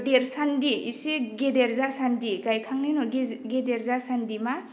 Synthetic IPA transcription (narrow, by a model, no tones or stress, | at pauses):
deɾsandiḭseɡedeɾzasandiɡajkʰaŋnajnɔɡɡedeɾzasandima